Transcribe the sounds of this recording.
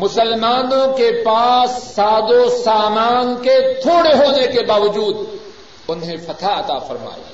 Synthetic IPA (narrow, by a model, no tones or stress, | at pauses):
mʊsəlmaːnõkepaːsːaːd̪õsaːmaːnket̪ʰoːɽeɦoːnekebaːʋɐd͡ʒuːd̪ | ʊnɦẽfɐt̪ʰaɐt̪a̰ːfɐɾma̰ːja̰